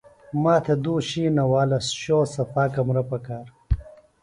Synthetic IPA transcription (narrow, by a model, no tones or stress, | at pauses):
maːt̪ʰɐd̪uːɕiːnɐwaːlɐsɕoːsɐfaːkɐmɾɐpɐkaːɾ